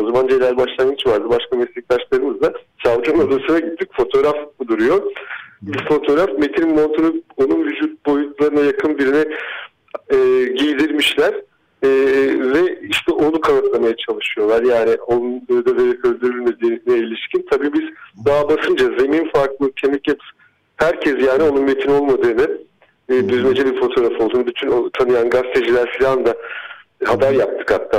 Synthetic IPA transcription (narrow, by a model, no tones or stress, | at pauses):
o̞zamand͡ʒlʲæɾʲbaʃlˠamɯt͡ʃvaɾd̪ɯbaʃkamɛslʲic̚t̪aʃlˠaɾɯmɯzd̪asavd͡ʒunod̪asɯnaɟit̪ʰːicfo̞t̪ʰo̞ɾafd̪uɾujo̞bifo̞t̪ʰo̞ɾafme̞t̪ʰinnmo̞nt̪ʰoɾoo̞nunvyd͡ʒuːt̪̚bo̞jut̪lˠaɾɯnajakʰɯnbiɾinɛ | ɛːɟijd̪iɾmiʃlʲæɾ̥ | ɛːvɛiʃt̪ʰɛʔo̞nukʰanat̪lˠamajat͡ʃʰalˠɯʃɯjo̞lˠaɾjaːnɪo̞nund̪aveɾɛkø̞lʲd̪yɾylʲme̞d̪iːnɛilʲiʃcint̪ʰabiːbiz̥b̪aːbasɯnd͡ʒaze̞mimfaɾklˠɯcʰe̞mɛcjapʰɯ̥sɯ̥n | hæɾcʰɛsjaːnio̞nunme̞t̪ʰino̞lˠmad̪ɯːnɯ | d̪yzme̞d͡ʒɛbiɾfo̞t̪ʰo̞ːɾafolˠd̪uːnɯbyt̪ʰynot̪ʰanɯjanɡast̪ʰeʒilʲæɾfilʲand̪a | habaɾjap̚t̪ʰɯ̥khat̪ʰːaː